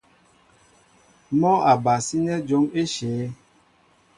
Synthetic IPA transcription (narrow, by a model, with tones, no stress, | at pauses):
mɔ˦a˨ba˨si˦nɛ˦d͡ʒo˦me˦ʃɛː˨˦